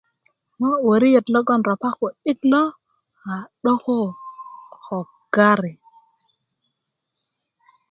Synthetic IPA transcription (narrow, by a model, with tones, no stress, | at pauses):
ma˦wo˨ɾi˦je˨tlo˦ɡo˦˨nɾa˨pa˦xo˨i˦tlo˦ | a˨ɗo˦xo˦ | xo˨ | ɡ̥a˦ɾi˨